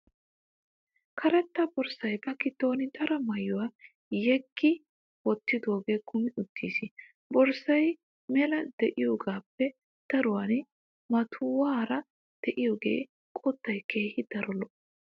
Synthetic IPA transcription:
kʰɐɾɛt̪ːɐbɔɾsɐjɡɐkɪt̪ːoːnɪd̪ɐɾɐmɐjːʊwa | jɛɡːɪ | wɔt̪ːɪd̪o̞ːɡe̞ːkʰʊmɪʔʊt̪ːiːsɪ | bɔɾsɐj | mɛlɐd̪̥ɛʔɪjoːɡaːpːɛ | t̪ɐɾʊwan | mɐt̪ʰʊwaːɾɐ | d̪̥ɛʔɪjoːɡe̞̰ː | kʼɔt̪ːɐjkeːhɪd̪̥ɐɾɔlɔ

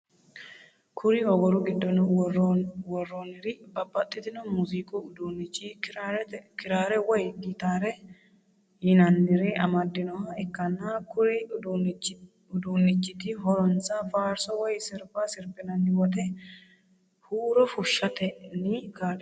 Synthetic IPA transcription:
kʰʊɾɪɔɡɔɾʊɡɪd̪ːɔn | wɔrːɔːnɪɾɪbɐbːɐt̪ʼːɪt̪ɪnɔmuziːkʼʊʊd̪unɪt͡ʃːi | kɪɾaːɾɛwɔjɡit̪aːɾɛ | jɪnɐndɪɾɛɐmɐd̪ːɪnɔhɐɛkːɐnːakʊɾɪ | ʊd̪unːɪt͡ʃːɪt̪ɪɦɔɾɔnt͡sɐfaːɾsɔwɔjsɪɾbasɪɾpːɪnɐnːɪwɔt̪ɛ | huːɾɔfʊʃːɐt̪ɛnɪkaː

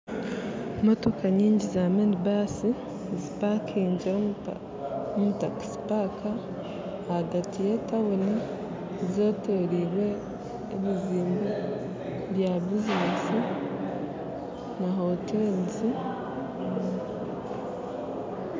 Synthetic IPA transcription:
motokaɲiːɲɟizamendbasi | zipakiːɲɟiɾo | omutaki̥spakaː | ɡatije̞tawoni | zo̞ːtoɾiːɾwe̞ː | miziːmbo | βjabiznesi | naɦotenzi

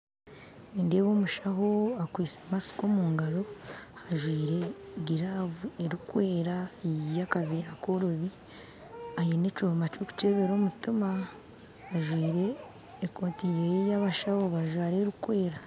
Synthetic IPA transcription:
ninde̞ːβoːmuʃaɦo̞akwiːt͡semasi̥ko̞muːŋɡaɾo̞haʒwiːɾe̞ɡiɾavueɾukwe̞ːɾajakaveːɾakoɾoβi | ajinet͡ʃoːmat͡ʃuku̥t͡ʃeːβeɾomutima | aʒwiːɾe̞ː | koːtijejaβaʃahoβaʒwaːɾeɾukwe̞ːɾa

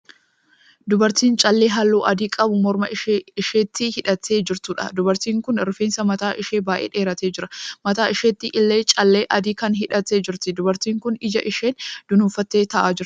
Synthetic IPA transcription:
d̪ʊbɐɾt̪iːnt͡ʃʼɐlːeːɦɐlːuːʔɐd̪iːkʼɐbʊmɔɾmɐɪɪʃeːt̪ːɪhɪᶑɐt̪ːe̞ːd͡ʒɪɾt̪uːᶑɐ̰d̪ʊbɐɾt̪iːŋkʊnɪɾfeːnsɐmɐt̪aːʔɪʃe̞ːbaːʔḛːᶑe̞ːɾɐt̪eːd͡ʒɪɾɐmɐt̪aːɪʃeːt̪ːɪʔɪlːe̞ːt͡ʃʼɐlːeːʔɐd̪iːkɐnɦɪᶑɐt̪ːe̞ːd͡ʒɪɾt̪ɪd̪ʊbɐɾt̪iːŋkʊnɪd͡ʒɐʔɪʃeːnd̪̥ʊnʊfɐt̪ːe̞ːt̪ɐʔaːd͡ʒɪɾ

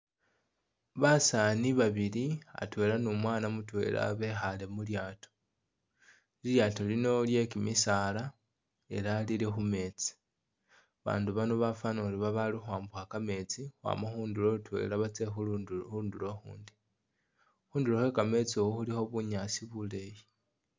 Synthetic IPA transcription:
βasaniβaβilia̰twe̞ːlanumwaːnamutwe̞̰ːla̰βe̞xale̞muljaːto̥ | iljaːto̞lino̞lje̞kimisaːla | e̞̰lalilexume̞t͡si̥ | βa̰ːnduβanoβafanoɾiβaβalixwaːmbuxakame̞t͡sixwa̰ːmaxuːndulo̞utwe̞̰laβat͡se̞xuxudulo̞xṵːndi̥ | xuːnduloxwekame̞t͡siowoxulixo̞βuɲasiβule̞ji

